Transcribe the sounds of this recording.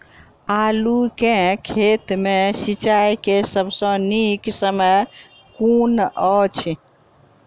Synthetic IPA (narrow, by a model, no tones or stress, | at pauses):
alukẽkʰet̪mesit͡ʃajkesəbʱsə̃niksəməj | kunɔt͡ʃʰ